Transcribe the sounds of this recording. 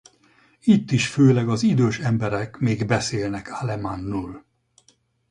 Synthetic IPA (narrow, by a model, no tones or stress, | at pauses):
it̪ːiʃføːlɛɡɒzid̪øːʃɛmbɛɾɛkmeːɡbɛseːlnɛkʰalɛmanːuːl